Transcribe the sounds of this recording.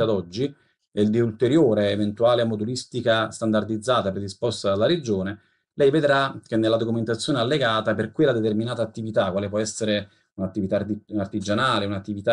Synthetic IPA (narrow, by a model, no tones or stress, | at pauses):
ad̪ɔd͡ʒːi | ɛld̪iult̪eɾjoːɾeːvent̪uaːleamod̪ulist̪ikast̪and̪ard̪id̪zːaːt̪apɾed̪ispɔst̪ad̪alːaɾed͡ʒoːne | lɛjved̪ɾak̟enːelːad̪okument̪at̪sːjoːnealːeɡaːt̪aperkwelːad̪et̪erminaːt̪aːt̪ːivit̪akwaːlep̬wɔɛsːeɾe | unat̪ːivit̪aart̪id͡ʒanaːleunat̪ːivit̪a